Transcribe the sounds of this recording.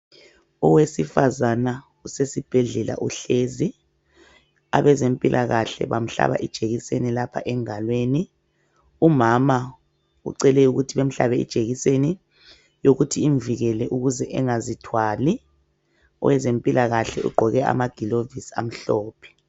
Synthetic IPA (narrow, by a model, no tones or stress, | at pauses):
ɔwesifazana | usesib̥ʱɛɮɛla̰ʔṵɬeːzi | a̰βɛzempʼilʔaɣaɬɛ̰βam̩ɬa̰βa̰ʔid̥ʒ̥ʱeɣisenilapʰa̰ʔɛŋalweni | umama | ṵǀɛlɛuɣutʰiβem̩ɬa̰βɛḭd̥ʒ̥ʱeɣiseni | joɣutʰiːɱviɣɛlɛʔuɣuzɛʔɛŋazitʰwaːli | ɔ̰wɛzempʼilʔaɣaɬɛ̰ṵɡ͡ǃʱɔɣɛa̰maɡ̥ʱilovisa̰m̩ɬɔːpʰɛ̥